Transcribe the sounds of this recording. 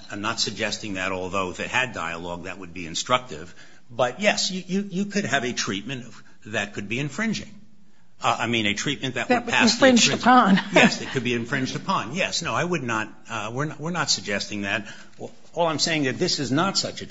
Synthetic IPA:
ɪ̃mnətsɨɡ̚d͡ʒɛstɪ̃ŋðɨɾɔlˠðoʊðɨt̚hɨda̰ɪə̰lɔɡ̚ðɨ̰t̚wəd̚biɨ̃nstɹ̥ʌk̚tɪ̰v | bʌt̚jɛsjɨjɨjɨkʰɨd̚ɨvɨtʰɹ̥it̚mɨ̃n | ðɨt̚kʰɨd̚biɨ̃ɱfɹɪ̃nd͡ʒɪ̰̃ŋ | a̰ɪmĩnɨtʰɹ̥it̚mɨ̃nðɨʔ̚ɨt̚ʰæsfɹɪ̃nd͡ʒəɑ̃njɛsðɨt̚kɨd̚biɨ̃ɱfɹɪ̃nd͡ʒdɨpʰɑ̃njɛsnoʊaɪwədⁿnət̚ | wɪɹwəɹnətsɨɡ̚d͡ʒɛstɪ̃ŋðɨt̚ | ɔlˠãɪ̃mseɪɪ̃ŋðɨt̪̚ðɪsɨznətsʌt͡ʃɨ

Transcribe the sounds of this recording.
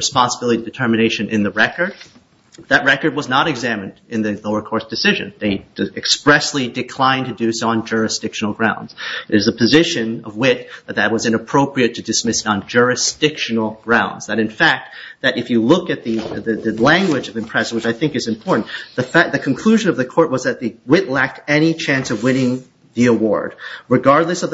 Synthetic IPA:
ɹɨspɑ̃nsəbɪlˠəɾidɨtʰɜ˞mɨneɪʃɨ̃nʔɪ̃nðɨɹɛkə˞d̪̚ | ðɨt̚ɹɛkə˞d̚wʌznəɾɨɡzæ̃mɨ̃ndɨ̃nðɨloʊə˞kʰɔɹsd̥ɨsɪʒɨ̰̃nðeɪ̥ɨkspɹɛslidɨkʰl̥ãɪ̃ntʰɨdʉsn̩d͡ʒʊ˞ɨsd̥ɪkʃn̩l̩ˠɡɹãʊ̃ndz̥ɨɨzəpʰɨzɪʃɨ̃nʌ̰vwɪt̪̚ðət̪̚ðɨt̚wʌzɨ̃ñəpʰɹ̥oʊpɹiɨtʰɨdɨsmɪsn̩d͡ʒʊ˞ɨsd̥ɪkʃɨnl̩ˠɡ̥ɹãʊ̃ndz̥ðɨɾɨ̃nfæk̚t̪̚ðɨɾʔɨfjɨlʊkɨt̪̚ðɨðɨðɨlæ̃ŋɡwɨd͡ʒʌvɨ̃mpʰɹ̥ɛsn̩wɨt͡ʃaɪθɪ̃ŋkɨzɨ̃mpʰɔɹʔn̩ðɨfæðɨkʰɨ̃n̩kʰl̥ʉʒɨ̃nʌvðɨkʰɔɹʔ̚wʌzðɨt̪̚ðɨwɪtˡlæk̚tɛñit͡ʃʰæ̃nsʌvwɪ̃nɪ̃ŋ | ðiəwɔ̰ɹd̚ɹɨɡɑɹdˡləsʌv

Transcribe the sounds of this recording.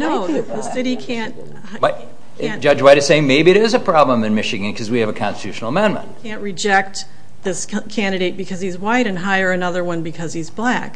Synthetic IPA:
noʊðɨðɨsɪɾikʰæ̃nt̚ | bʌ̥̃ | d͡ʒʌd͡ʒwaɪɾɨz̥seɪɪ̃ŋmeɪbiɨɾɪzɨpʰɹ̥ɑblə̃mɨ̃nmɪʃɨɡɨ̃nkʰʌzwiɨvɨkʰɑ̰̃nstɨtʰʉʃn̩l̩ˠəmɛ̃nmə̰̃ntkʰæ̃nʔɹɨd͡ʒɛk̚t̪̚ | ðɪskʰæ̃ndɨɾeɪt̚b̥ɨkʰʌz̥izwaɪɾɨ̃nɦaɪə˞ɨnʌðə˞wʌ̃nbɨkʰʌz̥izblæk

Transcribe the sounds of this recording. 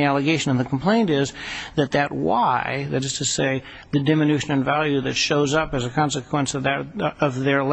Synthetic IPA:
iælˠɨɡeɪʃɨ̃ñnðɨkʰm̩pʰl̥ẽɪ̃ntɪzðɨt̪̚ðɨt̚wa̰ɪðɨɾɨz̥tʰɨseɪ | ðɨdɪ̃mɨnʉʃɨ̃nɨ̃nvælˠjʉðɨtʃoʊzʌpɨzɨkʰɑ̃nsɨkʰwə̃nsʌðɨɾʌvðə˞l

